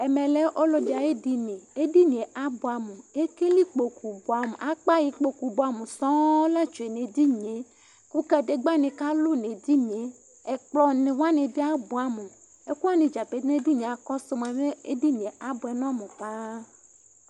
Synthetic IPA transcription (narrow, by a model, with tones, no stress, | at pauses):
ɛ˨mẽ˨le˦ʔo˦lɔ˦di˨a˨je˦di˦nẽ˨e˦di˦ɲ˨e˨ʔa˦bo˨a˨mu˨e˦ke˦li˦k͡po˨ku˨bo˨a˨m˨ʔa˦k͡pa˦ji˨k͡po˦ku˨bo˨a˨mu˨sɔ̃˦la˦t͡ʃu˨e˨ne˨di˦ɲe˨ | ku˦ka˦de˨ɡ͡ba˦nẽ˨ka˦lo˦ne˨d̪i˦ɲe˨˦ | ɛ˨k͡plɔ˨nẽ˨wa˦ne˨vi˦a˦bo˨a˨mo˨ | e˦ku˦a˦nẽ˨d͡ʒa˨pe˨˦ne˦di˦ɲẽ˨a˨kɔ˦so˦m˨a˨me˦e˦di˦ɲ˨ẽ˨a˦bo˨ɛ˨nɔ̃˦mõ˨pa˦